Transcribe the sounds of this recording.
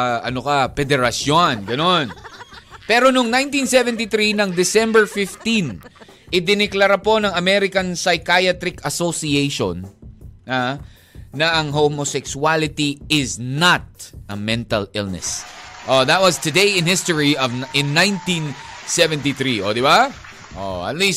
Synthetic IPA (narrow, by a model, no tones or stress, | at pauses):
ʔɐnokɐpɛd̪ɛɾɐsjonɡɐno̞n | pɛɾo̞nʊŋnãj̃nt̪ĩnsɛvɛnt̪iθɾinɐŋd̪ɪsɛ̃mbɛɹfɪft̪ĩn | ʔɪd̪ɪnɪklɐɾapo̞nɐŋɐmɛɾɪkɐnsajkajat̪ɾɪkɐsosiejʃo̰naː | ɐʔɐŋɦomosɛksualɪt̪iɪznat̪̚ɐmɛ̃nt̪ɐ̰lɪlnɛ̰sʔoðɐt̪̚wɐzt̪ʊd̪ejɪ̃nhɪst̪ɔɹiɔvʔɪ̃nːãjnt̪ĩn | sɛvɛ̃nt̪iθɾiʔod̪ɪba | ʔo̰ɐ̰t̪̚lis